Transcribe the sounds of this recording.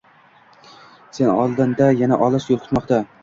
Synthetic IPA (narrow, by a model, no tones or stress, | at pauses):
se̞nɒ̰lˠd̪ɪnd̪ajanaʔɒlˠɨʃjolˠqʰʊ̥t̪mɒqt̪a